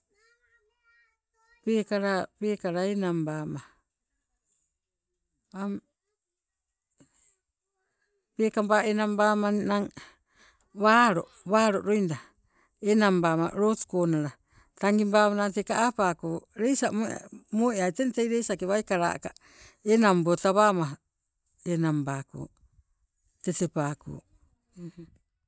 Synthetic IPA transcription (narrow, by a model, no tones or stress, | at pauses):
pekaɾapekaɾaenambama | am | pekambaenambamannaŋ | βaɾo | βaɾoʔɾojnda | enambama̰ɾotu̥konaɾa | taŋɡimbamanatekaʔapakoɾejsamoa̰moʔeajtentejɾejsakeβajkaɾa̰ʔka | enambotaβamaɦa | enambako̰ | tetepako̰